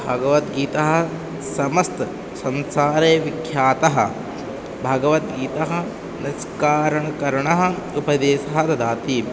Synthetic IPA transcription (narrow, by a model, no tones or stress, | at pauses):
bʱɐɡɐʋɐt̪ɡiːt̪ɐɦɐ̆ | sɐmɐst̪ | sɐnsaːɾeːʋikʰjaːt̪ɐɦɐ̰̆ | bʱɐɡɐʋɐt̪ɡiːt̪ɐɦɐ̆ | niskaːɾɐɳɐkɐɾɐɳɐɦɐ̆upɐd̪eːsɐɦɐd̪ɐd̪aːt̪iː